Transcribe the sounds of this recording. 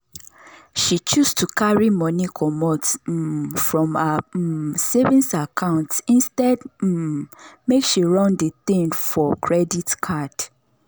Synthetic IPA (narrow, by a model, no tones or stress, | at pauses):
ʃit͡ʃustʰukʰaɹimɔnikʰɔmɔt̩ | fɹɔ̃ma | sevĩnsakʰãʊ̃ntĩnstɛd̩ | mekʃiɹɔ̃ndəθĩŋfɔkʰɹɛditkʰad̥